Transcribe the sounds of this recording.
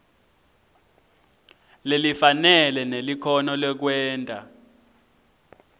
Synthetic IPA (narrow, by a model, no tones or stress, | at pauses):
lelifanɛlɛnelikʰɔnɔlɛk̬wɛːntʼa̰